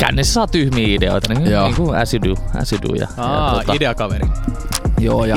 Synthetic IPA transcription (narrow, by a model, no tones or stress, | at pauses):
kæ̰ːniːsːesɑːt̪yhmiːideo̰ˑit̪ɑnionːiːŋkuæ̰siduæ̰sidṵjɑ̰ɑjɑ̰uot̪ɑideɑkɑʋeri | joːjɑ